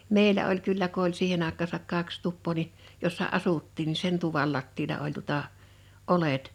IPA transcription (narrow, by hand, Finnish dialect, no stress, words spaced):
meˑilæ olʲ kylːæ ko olʲ siːhen ɑˑekˑɑːsɑk kɑks tupːoː ni josːɑ ɑsutːiːn ni sen tuʋɑl lɑtːiːlɑ olʲ tuŏtɑˑ ʔolet